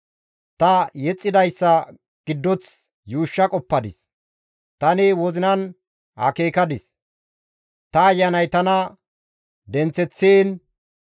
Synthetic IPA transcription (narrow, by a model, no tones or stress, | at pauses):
t̪ɐjɛt͡sʼːɪd̪ɐjsːɐ | ɡ̥ɪd̪ːɔt͡s | juːʃːɐkʼɔpːɐd̪ɪ̰s | t̪ɐnɪwɔzɪnɐn | hɐ̰keːkɐd̪ɪs | t̪ɐːjːɐnɐjt̪ɐnɐ | d̪ɛnt͡sɛt͡sːeːn